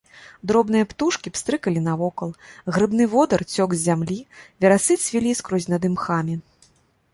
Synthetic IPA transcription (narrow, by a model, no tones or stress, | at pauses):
d̪ɾɔbnɨjɐpt̪uʂkʲipst̪ɾɨkɐlʲinɐvɔkɐlˠɣɾɨbn̪ɨvɔd̪ɐrt͡sʲɔɡzʲzʲamlʲivʲɛɾasɨt̪sʲvʲilʲiskɾɔzʲnɐd̪ɨmxamʲi